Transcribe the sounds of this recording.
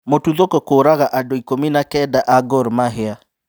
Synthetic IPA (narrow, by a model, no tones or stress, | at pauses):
motuðokɔkoːɾaɣaʔadoikominakɛdaʔaɡɔɾmaɦea